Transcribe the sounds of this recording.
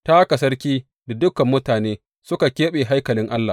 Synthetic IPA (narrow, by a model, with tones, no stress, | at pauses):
ta˦ka˨sɐ˦rkʲiː˦ | da˨dʊ˦kɐ˨mːʊ˦taː˨neː˦ | sʊ˦ka˨kʲeː˦ɓeː˨ɦa˦jkɐ˨lɪ˦ŋʔa˦lːaː˨